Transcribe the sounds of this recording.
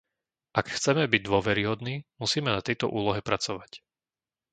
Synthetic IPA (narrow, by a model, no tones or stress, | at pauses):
ʔakxt͡sɛmɛbiɟ̚d̪ʊɔʋɛɾiɦɔd̪niːmusiːmɛnat̪ɛjt̪ɔ̰ʔuːlɔɦɛpɾat͡sɔʋac